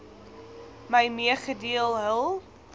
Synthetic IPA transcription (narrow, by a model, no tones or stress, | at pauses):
məjmiəχədiəlˠɦəlˠ